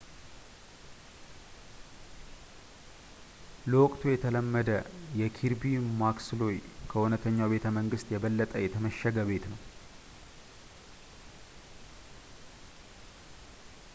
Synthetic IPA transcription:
ləwɔkʼt̪ʰujɛt̪ʰələmːəd̪əjɛkʰiɾbimaksɨlo̞jkʰəʔunət̪ʰəɲːawbe̞t̪ʰəməŋɡɨst̪jɛβəlːət̪ʼəjɛt̪ʰəməʃːəɡəβe̞t̪nəw

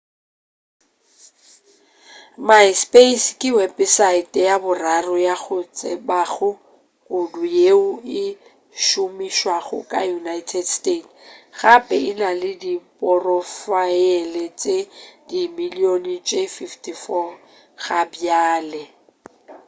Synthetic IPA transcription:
maspʼeskʼɪwɛpʼɪsaɪtʼjabʊrarʊjaɣʊt͡sʼɛbaɣʊ | kʼʊdʊjeʊɪ | ʃʊmiʃwaɣʊ̰kʼa̰junajtʰɛdstetɣapʼɛɪnalɪdipʼɔrɔfajɛlɛt͡ʃʼedimilionit͡ʃʼefiftʰʼifɔ | ɣabjaːlɛ

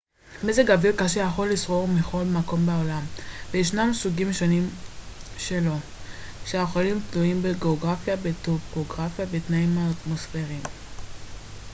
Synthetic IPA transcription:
mezeɡavilkaʃejaχo̞lːisʁo̞ʁmiχo̞lmako̞mbeolamvejeʃnamsuɡimʃonim | ʃelo̞ | ʃeaχolimtluimbeɡeoɡʁafjabet̪opoɡʁafjabet̪naimaːt̪mo̞sfeʁim

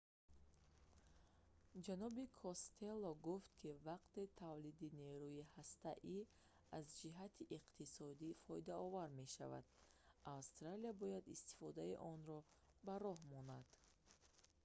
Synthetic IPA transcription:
d͡ʒanɔbikʰɔst̪ʰelːɔɡuft̪kʰivaqt̪et̪ʰavlid̪ine̞ɾujihast̪a̰ʔi | azd͡ʒiɦat̪ʰiʔiqt̪ʰisɔd̪ifɔid̪aɔvaɾme̞ʃa̰va̰d̪̚avst̪ɾaliabɔjad̪ḭst̪i̥fɔd̪aiʔɔnɾɔ | baɾɔɦmɔnad̪̥

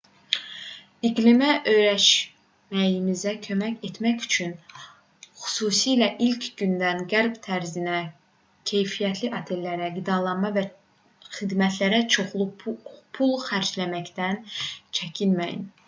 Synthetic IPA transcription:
iɡlimæʔø̞jɾæʃ | mæjimizækʰø̞mæce̞t̪ʰmæcy̥t͡ʃʰyn | xy̥suːsiːlæʔilcʰɟynd̪ænɡæɾbt̪ʰæɾzinæ | cʰe̞jfijæt̪ʰliʔɑt̪ʰe̞lːæɾæɡid̪ɑlˠɑnmɑvæ | xid̪mæt̪ʰlæɾæt͡ʃʰoχlˠupʰulˠxæɾd͡ʒlæmæcd̪ænt͡ʃʰæcʰinmæjḭn

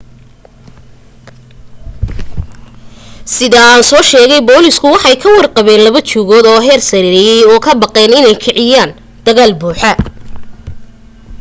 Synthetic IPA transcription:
sɪðɐaːnsɔːʃɛːɣɛjbɔːlɪskʰʊwɑħɑjkʰɐwɑrqɑβɛːnlɐβɐt͡ʃuːɣɔːd̪ɔːɦɛːrsɐɾiɾɛjɛjɔːkʰɐbɑqɛːnɪnɛjkʰɪʕɪjaːn | d̪̥ɐɣaːlbuːħɐ

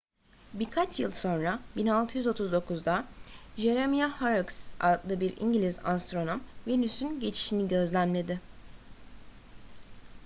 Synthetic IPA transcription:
biɾkʰat͡ʃʰjɯlˠso̞nɾabinalˠt̪ʰɯjyzo̞t̪ʰuzd̪o̞kʰuzd̪aʒe̞ɾemijahaɾuksa̰k̪lˠɯbiɾḭɲɟilʲiza̰st̪ɾo̞no̞mvenysynɟe̞t͡ʃʰi̥ʃiniɟø̞zlʲænle̞d̪ɪ

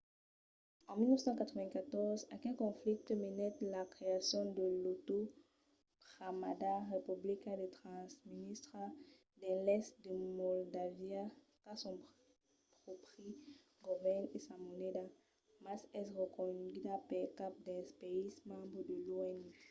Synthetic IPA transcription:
ɑ̃milnœfsɑ̃kat̪χəvɛ̃kat̪ɔʁzakɛ̃kɔ̃flik̚t̪əmenɛt̪lakχeasjɔ̃d̪əlot̪o | bʁamadaʁepyblikãd̪et̪χɑ̃sminist̪χa | d̪ɛ̃lɛst̪d̪əmɔld̪avja | kasɔ̃ | pʁɔpχi | ɡɔvɛnesamoned̪a | masɛsʁəkɔdid̪apɛlkap̚d̪ɛspeizmɑ̃bʁəd̪əluɛny

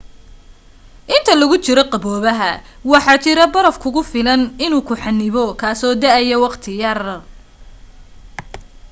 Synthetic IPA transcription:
ʔɪnt̪ʰɐlɐɣʊt͡ʃɪɾɔqɑbɔːβɐɦɐ | wɑħɑːt͡ʃɪɾɐbɐɾɐfkʰʊɣʊfɪlɐnɪnuːkʰʊħɑnːɪβɔkʰaːsɔːd̪ɐʔɐjɐwɑqt̪ʰɪjɐr

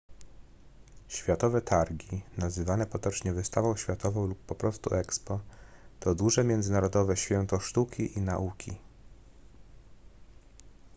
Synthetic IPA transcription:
ɕfʲjat̪ɔvɛt̪ʰaɾɡʲinazɘvanɛpɔt̪ɔt͡ʂɲɛvɘst̪avɔ̃w̃ɕfʲjat̪ɔvɔ̃w̃lupːɔpɾɔst̪ṵʔɛkspɔt̪ɔd̪uʐɛmʲjɛnd̪zɘnaɾɔd̪ɔvɛɕfʲjɛnt̪ɔʂt̪ukʲiʔina̰ʔukʲḭ

